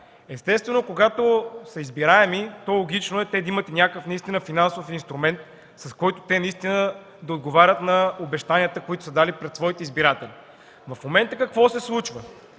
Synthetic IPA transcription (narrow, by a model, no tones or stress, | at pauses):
ɛst̪ɛst̪vɛnokoɡat̪osəizbiɾaɛmit̪ɔlˠoɡ̟it͡ʃnoɛt̪ɛd̪ɐimət̪nʲakəfnɐist̪inəfinansofinst̪ɾumɛnt̪ | sɐskɔjt̪ʊ̥t̪ɛnɐist̪inə | d̪ɐod̪̚ɡovaɾʲət̪nɐobɛʃt̪aniət̪əkoit̪ʊ̥sɐd̪alipɾɛt̪svɔit̪izbiɾat̪ɛli | vɐfmomɛnt̪əkɐkvɔsɛslˠut͡ʃvə